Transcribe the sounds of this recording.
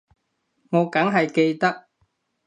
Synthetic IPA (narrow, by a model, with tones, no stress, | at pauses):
ŋɔː˨˧kɐ˨˥ŋɦɐ˨jke˧jt̪ɐ˥k̚